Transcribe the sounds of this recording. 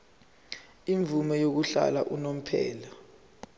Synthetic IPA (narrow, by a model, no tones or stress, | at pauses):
iɱvumɛjok̬uɬa̰laʔunom̩pʰɛ̰ːla